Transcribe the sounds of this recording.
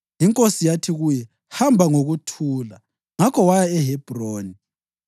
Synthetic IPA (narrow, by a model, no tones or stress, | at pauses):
jiŋkʼosijatʰiɣujɛ | hambʱaŋoɣutʰuːla | ŋakʰɔwajaɛɦɛb̥ʱroːni